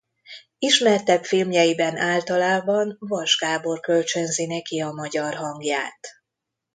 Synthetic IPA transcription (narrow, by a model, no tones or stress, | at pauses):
iʃmɛrt̪ɛpfilmjɛjibɛnʔaːlt̪ɒlaːbɒnvɒʒɡaːbo̞rkø̞lt͡ʃønzinɛkiɒmɒɟɒrɦɒŋɡjaːt̪